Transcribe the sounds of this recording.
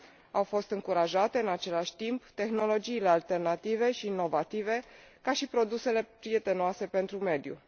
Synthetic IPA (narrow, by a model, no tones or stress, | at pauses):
awfo̞st̪ɨŋkuɾaʒat̪e̞ɨnat͡ʃe̞laʃʲt̪impt̪e̞xno̞lo̞d͡ʒiːle̞alt̪e̞rnat̪ive̞ʃiːnːo̞vat̪ive̞ | kaʃipɾo̞d̪use̞le̞pɾije̞t̪e̞noase̞pe̞nt̪ɾume̞d̪jṵ